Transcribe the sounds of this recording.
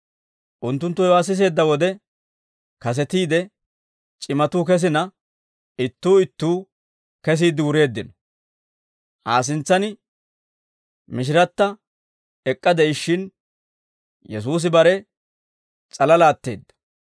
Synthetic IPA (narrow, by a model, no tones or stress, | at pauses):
ʔʊnt̪ːʊnt̪ːʊjwaːs̬ɪs̬e̞ːd̪ːɐwɔd̪ɛ | kɐs̬ɛt̪iːd̪ɛ | t͡ʃʼɪmɐt̪uːkɛs̬ɪnɐ | ɪt̪ːuːɪt̪ːuː | kɛs̬iːd̪ɪwʊɾe̞ːd̪ːɪnɔ | haːs̬ɪnt͡sːɐnɪ | mɪʃ̬ɪɾɐt̪ːɐ | ɛkʼːɐd̪ɛjʃːɪn | jɛs̬uːs̬ɪbɐɾɛ | t͡sʼɐlɐlaːt̪ːe̞̰ːd̪ːɐ̥